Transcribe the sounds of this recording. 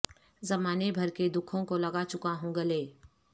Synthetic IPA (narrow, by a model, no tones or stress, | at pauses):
zɐmaːnebʱɐɾked̪ʊkʰõkolɐɡat͡ʃʊkaɦũɡɐleː